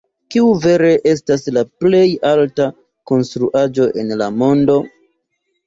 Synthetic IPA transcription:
kiuve̞ɾe̞ʔe̞s̬taslaple̞jalta | ko̞nstɾuʔad͡ʒo̞ʔe̞nlamo̞ndo̞

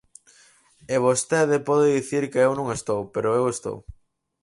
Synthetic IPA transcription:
eβ̞ost̪eðɪpɔðeðiθiɾkeewnõŋest̪owpeɾoewest̪o̰w

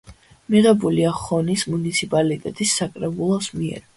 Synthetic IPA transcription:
miʁɛbuliaχɔnismunit̪sʰipʼalit̪ʼɛt̪ʼisːakʼɾɛbulˠɔsmiɛ̰ɾ

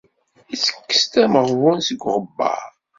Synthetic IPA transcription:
isə̥kːə̥st̪æməʁwænsəɡʷʁəbːɑ̰ɾ

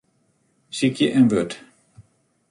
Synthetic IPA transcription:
sikjəʔɛnʋøt

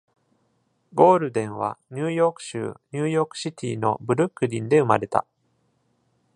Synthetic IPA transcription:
ɡo̞ːɾɯ̟d̪ẽ̞ɰ̃β̞a̰ɲ̟ɨːjo̞ːkɯ̟̥ɕɨ̰ːɲʲɨːjo̞ːkɯ̟̥ɕit̪ʲḭːno̞̰bɯ̟ɾɯ̟kːɯ̟ɾʲĩnd̪e̞ɯ̟maɾe̞t̪a̰

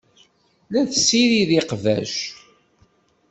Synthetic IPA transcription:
læθsːiɾiðiqvæ̰ʃ

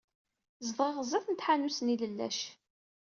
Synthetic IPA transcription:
zəðˤʁeʁzˤæθənt̪ħanusniləlːæ̰ʃ

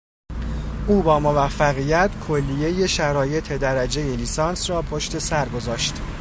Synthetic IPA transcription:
ʔuːbɒːmo̞væfːæɣiːjæt̪ʰkʰo̞lːije̞je̞ʃæɾɒːje̞t̪ʰe̞d̪æɾæd͡ʒe̞je̞liːsɒːnsrɒːpʰo̞ʃt̪e̞sæɾɡo̞zɒːʃt̪

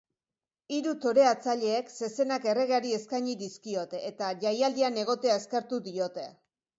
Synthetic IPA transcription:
iɾut̪o̞ɾe̞at͡saʎe̞ːkse̞se̞nake̞re̞ɣeaɾie̞skajɲiðiskio̞t̪eːt̪aʝajald̪iane̞ɣ̞o̞t̪e̞ae̞ske̞ɾt̪uðio̞t̪e̞

